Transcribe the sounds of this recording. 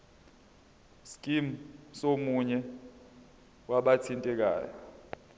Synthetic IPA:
skʼim̩somuɲɛ | waɓatʰintʼɛk̬a̰ːjjɔ

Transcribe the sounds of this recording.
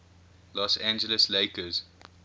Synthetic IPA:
lɔsæ̃nd͡ʒələsleɪkəz̥

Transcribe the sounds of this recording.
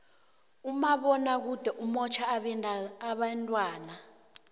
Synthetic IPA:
umaɓɔnak̬ud̥ʱɛʔumɔt͡ʃʰaɛːɓantʼwaːna

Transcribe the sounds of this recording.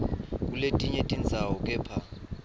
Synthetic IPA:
k̬ʼuletʼiɲetʼind͡zʱawɔkʼɛːpʰa

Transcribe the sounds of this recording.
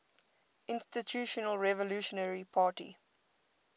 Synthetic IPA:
ʔɪ̃nstitʰjuːʃɔnəlɹɛvɔluːʃɔnəɹipʰɑːtḭ

